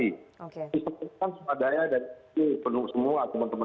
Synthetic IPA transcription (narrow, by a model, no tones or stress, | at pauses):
iokdisəpəkansəmadaɲadaɾiipənusəmuat̪əmənt̪əmə